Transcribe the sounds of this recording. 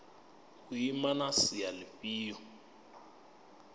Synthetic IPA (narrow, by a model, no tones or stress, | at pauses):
kujimanasijalɪpiːɔ